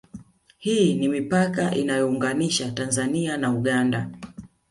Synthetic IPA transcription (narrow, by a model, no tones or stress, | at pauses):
hiːnimipakaʔinajɔuŋɡaniʃatanzanianauɠanda